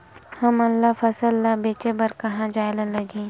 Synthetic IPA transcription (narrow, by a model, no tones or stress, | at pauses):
hɐmɐlːafɐsəlːabeːt͡ʃebɐɾkɐɦãd͡ʒaːelalɐɡẽː